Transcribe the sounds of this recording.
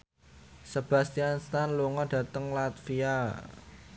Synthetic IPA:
səb̥ä̤st̪ianst̪anluŋɔɖ̥ä̤t̪əŋlat̪fia

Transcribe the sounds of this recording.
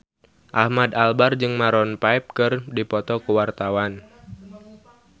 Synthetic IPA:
ʔahmad̪albard͡ʒɨŋmaɾɔnpaɛp̚kɨrdipɔt̪ɔkuwart̪awan

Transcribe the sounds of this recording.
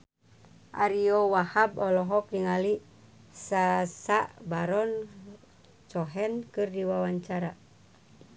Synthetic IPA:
ʔa̰ɾiɔwahabɔlɔɦɔk̚diŋali | sasaʔbaɾɔn | t͡ʃɔɦɛnkɨrdiwawaɲt͡ʃaɾa

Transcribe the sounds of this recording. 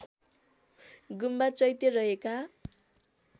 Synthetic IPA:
ɡumbat͡sʌjt̪erʌɦeka

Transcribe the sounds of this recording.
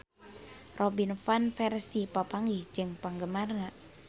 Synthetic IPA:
rʔɔbinfanfɛrsipapaŋɡihd͡ʒɨŋpaŋɡəmarna

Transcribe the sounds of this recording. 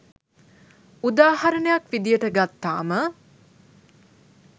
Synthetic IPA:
ud̪aːhɐɾənəjakʋid̪ijəʈəɡat̪ːa̰ːmə

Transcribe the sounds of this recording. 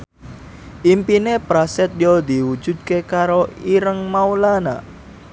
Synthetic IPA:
ʔimpinepɾasɛt̪̚jɔd̪iwu̥ʒ̥ṳd̪̥̚kekaɾoiɾəŋmaulana̰

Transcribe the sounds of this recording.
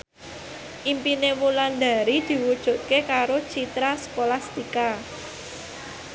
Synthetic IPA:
ʔimpinemuland̪a̤ɾid̪̥i̤wud̥ʒ̥ṳt̪̚kekaɾot͡ʃit̪ɾasə̥kolast̪ika

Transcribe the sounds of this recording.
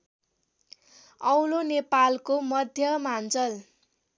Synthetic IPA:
ʌwlonepalkomʌd̪ʱjʌmant͡sʌl

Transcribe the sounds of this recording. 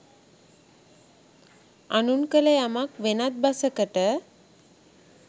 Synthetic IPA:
anunkələjamakʋenat̪̚basəkəʈə

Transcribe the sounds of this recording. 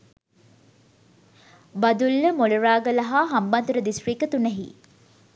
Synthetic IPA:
bad̪ulːəmoluɾaːɡəlɐɦaːɦɐmbɐnt̪uɾəd̪isriːkət̪unɛɦḭ

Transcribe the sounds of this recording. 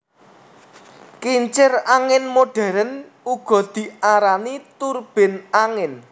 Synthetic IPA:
kiɲt͡ʃɪraŋɪnmoɖ̥ɛ̤ɾən | uɡ̥ɔ̤d̪̥i̤aɾanit̪urb̥ɪ̤naŋɪn

